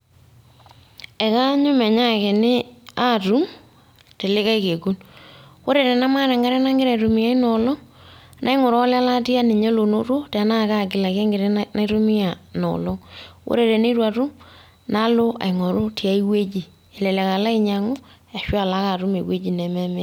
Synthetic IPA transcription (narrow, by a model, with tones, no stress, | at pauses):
ɛ˨ka˦ɲʊ˦mɛ˨ɲa˦ke˨nɪ˦a˦tu˦m | te˨lɪ˦ka˦i˦ke˨ku˦nwo˦ɾe˨ɾɛ˨na˦ma˦ɾɛ˨ŋɡa˦ɾɛ˦na˦ŋɡɪ˦ɾe˨tu˨mɪ˨ja˦i˦nɔ˨lɔ˦ | nʔa˦i˦ŋo˨ɾɔ˦la˦la˦ti˦a˦ne˨ɲe˦lo˨no˦to˦te˨na˦˨ka˦˨k̬ɪ˨la˨ke˦ŋɡɪ˨ɾɛ˦na˦itu˦mɪ˦a˨nɔ̰˨lɔ˦ŋwo̰˦ɾe˨ɾe˨ne˦ɾwa˨tu˦m | na˦lo˦ʔa̰˨i˨ŋo˨ɾo˦ti˨a˦i˦we˦t͡ʃi˨ | e˨lɛ˨lɛ˨ka˨la˦ɪ˨ɲa˨ŋo˦ja˨ʃwa˨la˦ka˨tu˦me˨we˦d͡ʒi˨nɛ˨mɛ˦me˦